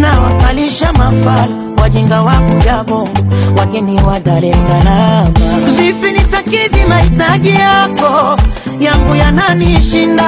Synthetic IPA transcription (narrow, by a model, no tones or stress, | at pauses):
nawakaliʃamafala | wad͡ʒɛŋɡawaŋɡujaɓɔŋɡuwakɛniwadaɾɛsalamvipinitakizimahitaʄijakɔ | jaŋɡujananiʃinda